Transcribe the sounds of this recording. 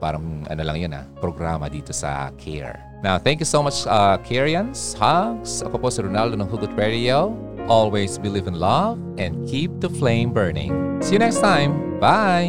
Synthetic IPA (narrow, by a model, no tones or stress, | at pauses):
pa̰ːɾɐŋʔɐ̰nɐlɐ̰ŋjona̰pɾoɡɾamɐd̪iːt̪osɐ̰kʰɛ̰ɹ | nawθɛ̃ŋkjusomat͡ʃɐkʰɛɹiɐ̃nshaɡsɐ̰poposɪɾɔnald̪onɐŋɦuɡʊt̪̚ɹɛdioʔolwesbilivɪ̃nlɐvʔɛ̃nd̪̚kʰip̚d̪ɐflẽɪ̃mbɜɹnɪ̰̃ŋsinɛkst̪ãjmbaj